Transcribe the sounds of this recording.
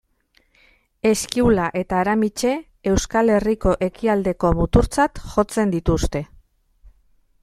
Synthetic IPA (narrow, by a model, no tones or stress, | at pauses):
e̞skiulaʔe̞t̪aːɾamit͡ʃe̞ | e̞wskale̞riko̞ʔe̞kiald̪e̞ko̞mut̪uɾt͡sat̪ʝo̞t͡se̞nd̪it̪ust̪e̞